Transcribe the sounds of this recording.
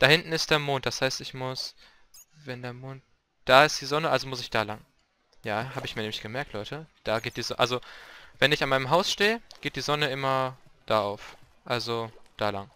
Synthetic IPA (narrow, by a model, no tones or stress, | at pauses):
d̥aːhɪntn̩ɪstd̥eːɐmoːnt̚d̥ashaɪstɪçmʊs | vɛndeːɐmoːnt̚ | d̥aːɪstd̥iːzɔnəʔalzomʊsɪçd̥aːlaŋ | jaːɦhaːbəɪçmiɐnɛːmɪçɡ̥əmɛɐktʰlɔʏtəd̥aːɡeːt̚d̥iːzɔʔalzovɛnɪçanmaɪnəmɦaʊsʃteːəɡ̥eːt̚d̥iːzɔnəɪmɐd̥aːʔaʊf | ʔalzod̥aːlaŋ